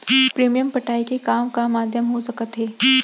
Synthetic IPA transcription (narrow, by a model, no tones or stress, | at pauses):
pɾeːmijəmpɐʈaːikekaːmkamaːd̪ʱjəmɦosɐkət̪ɦɛː